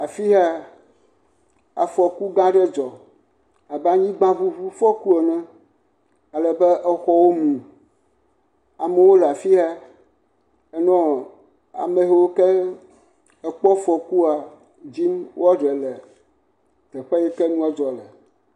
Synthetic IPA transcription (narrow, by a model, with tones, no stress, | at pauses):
a˨fi˦ɦa˦ | a̰˨fɔ˨ku˦ɡã˦ɖɛ˦d͡ʒɔ˨ | a˨bɛ˦a˨ɲĩ˦ɡ͡bã˦vu˦vu˦fɔ˦ku˦ɛ˨nɛ̃˦ | a˨lɛ˨bɛ˦ʔɛ˦xɔ˦wo˦mũ˨ | a˨me˨wo˦lɛ˨a˨fi˦ɦa˦ | ɛ˦nɔ̃˦ | a̰˨me˨ɦe˦wo˦kɛ˦ | ɛ˨k͡pɔ˦fɔ˨ku˦a˨ | d͡ʑi˦mwɔ˦ɖɛ˨lɛ˨ | t̪ɛ˨ɸɛ˦jɛ˦kɛ˦nũ˦a˦d͡ʒɔ˨lɛ˨